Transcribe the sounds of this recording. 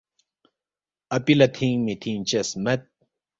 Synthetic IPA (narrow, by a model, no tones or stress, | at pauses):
ɐpilɐt̪ʰiŋmit̪ʰiŋt͡ʃɐsmɐt̪̚